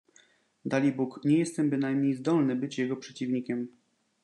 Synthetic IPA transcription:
d̪alʲibukɲɛjɛst̪ɛmbɘnajmɲejzd̪ɔlnɘbɘt͡ɕjɛɡɔpʂɛt͡ɕivɲikʲɛm

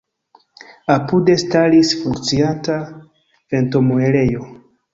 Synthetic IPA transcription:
apude̞stalisfuŋkt͡sianta | fe̞nto̞moeɾe̞jo̞

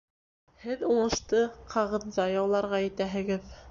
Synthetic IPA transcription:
hɘðuɴɤ̆ʃt̪ɤqʰɑʁɤ̆ðzɑjɑwlˠɑɾʁɑjɘ̆t̪æɦɘ̆ɡɘð

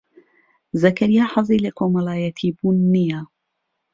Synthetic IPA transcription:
zɐkʰɐɾijaːħɑzˤiːləkʰoːmɐlaːjɐt̪ʰiːbuːnːija

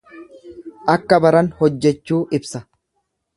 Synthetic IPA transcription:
ʔɐkːɐbɐɾɐnhɔd͡ʒːɛt͡ʃːuːʔɪbsɐ

